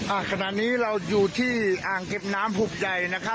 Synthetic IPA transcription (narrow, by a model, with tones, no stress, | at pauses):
ʔa˧˩kʰa˧na˨˩ʔniː˦˥ɾa˧wjuː˨˩t̪ʰiː˥˩ʔaː˨˩ŋke˨˩p̚naː˦˥mpʰuː˨˩p̚ja˨˩jna˦˥kʰa˦˥